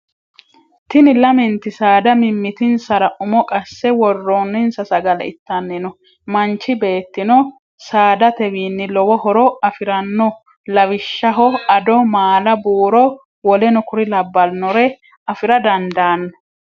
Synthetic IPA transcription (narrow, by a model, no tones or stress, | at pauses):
t̪ɪnɪlɐmɪnt̪ɪsaːd̪ɐmɪmːɪt̪ɪnsɐɾɐʔʊmɔkʼɐsːɛwɔrːonːɪnsɐsɐɡɐlɐ̰ɪ̰t̪ːɐnːɪnɔ | mɐnt͡ʃːɪbe̞ːt̪ːɪnɔ | saːd̪ɐt̪ɛwiːnːɪlɔwɔɦɔɾɔɐfɪɾɐnːɔ | lɐwɪʃːɐɦɔɐd̪ɔmaːlɐbuːɾɔ | wɔlɛnɔkʊɾɪlɐbːɐlnɔɾɛ | ɐfɪɾɐd̪ɐnd̪aːnːɔ